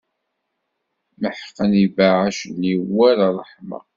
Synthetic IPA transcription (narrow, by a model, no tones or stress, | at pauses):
məħqːənivaʕaʃəniwːæɾrˤəħmɑ̰